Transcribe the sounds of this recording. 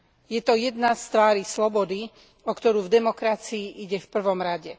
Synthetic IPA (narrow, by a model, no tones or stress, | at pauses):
jɛt̪ɔjɛd̪nast̪ʋaːɾislɔbɔd̪i | ɔkt̪ɔɾuːvd̪ɛmɔkɾat͡siːʔiɟɛfpr̩ʋɔmɾaɟɛ